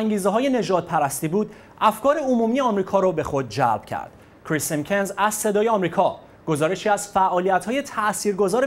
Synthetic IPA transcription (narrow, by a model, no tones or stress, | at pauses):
ŋɟiːzeɦɒːje̞ne̞d͡ʒɒːd̪̚pʰæɾæst̪iːbuːd̪ | ʔæfkʰɒːɾe̞omuːmijeɒmɾiːkʰɒːɾɔːbe̞xo̞d̪̚d͡ʒæ̰lb̥cʰæ̰ɾd̪̥ | kʰɾisimcʰenzæzse̞d̪ɒːjeɒmɾiːkʰɒː | ɡ̥o̞zɒːɾe̞ʃiːæzfæʔɒːlijæt̪ʰhɒːje̞t̪ʰæʔsiːɾɡo̞zɒːɾe